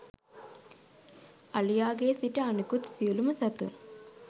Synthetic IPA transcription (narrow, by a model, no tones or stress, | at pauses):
ɐlijaːɡeːsiʈɐɐnukut̪siulumɐsɐt̪ṵn